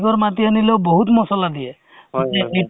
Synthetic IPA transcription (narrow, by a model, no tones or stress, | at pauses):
kɔɾmat̪ianilewbɔɦut̪mɔsɔlad̪ie | ɔtei